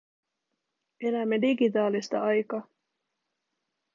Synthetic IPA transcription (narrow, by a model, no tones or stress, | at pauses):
e̞læmːe̞diɡit̪ɑːlist̪ɑ̰ɑjkɑː